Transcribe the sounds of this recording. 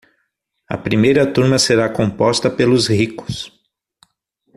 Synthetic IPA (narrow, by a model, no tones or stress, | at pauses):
ɐ̰pɾimejɾɐt̪uɾmɐseɾakõpɔst̪ɐpelʊzhikʊ̥s